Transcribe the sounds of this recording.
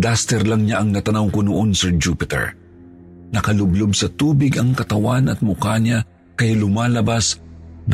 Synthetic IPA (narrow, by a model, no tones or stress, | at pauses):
d̪ast̪ɛɾlɐŋɲaʔɐŋnɐt̪ɐnawkonʊʔonsɛɹd͡ʒuːpɪt̪ɛ̰ɹ | nɐkɐlʊblobsɐt̪uːbɪɡɐŋkɐt̪ɐwanɐt̪̚mʊkaɲa | kɐjlʊmaːlɐbasn